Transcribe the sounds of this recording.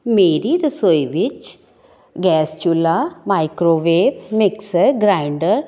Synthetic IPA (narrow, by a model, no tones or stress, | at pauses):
meːɾiɾɨsojʋit͡ʃ | ɡɛːst͡ʃulamajkɾoːʋeːbmiksɐɾɡɾajɳɖɐɾ